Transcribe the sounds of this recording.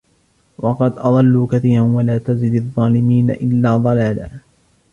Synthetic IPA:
wɑqɑd̪ʔɑðˤɑlːuːkaθiːɾanwalaːt̪azɪd̪ɑðˤːɑːlɪmiːna̰ʔɪlːaːd̪ˤɑlaːla̰ː

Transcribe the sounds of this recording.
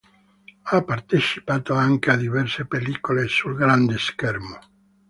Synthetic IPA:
apːart̪et͡ʃi̥paːt̪oaŋk̟ead̪ivɛrsepelikolesulɡɾand̪eskɛrmo

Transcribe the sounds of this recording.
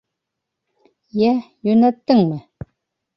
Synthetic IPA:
jæjɵnæt̪ːɘŋmɘ

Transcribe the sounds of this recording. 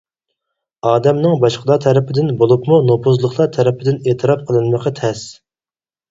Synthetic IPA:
ɑːd̪ɛmnɨŋbɑʃqʰəlˠɑt̪ʰɛɾɪpʰɪd̪ɪnbolˠupmunopʰuzlˠəχlˠɑt̪ʰɛɾɪpʰɪd̪ɪneːt̪ʰɨɾɑp̚qʰəlˠɨnməqɑt̪ʰɛs

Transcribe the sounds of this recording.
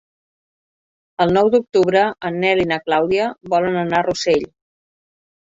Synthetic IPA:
əlˠnɔwd̪uk̚t̪uβɾəənːɛlinəklawðiəβɔlənənaruseʎ

